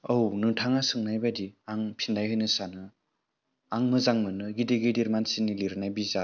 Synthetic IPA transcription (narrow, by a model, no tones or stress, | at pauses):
ownɯtʰaŋasɯŋnajbadiaŋpʰindajɦɯjnɯsanɯ | aŋmɯzaŋmɯnɯɡideɡediɾmansinːiliɾɯnajbiza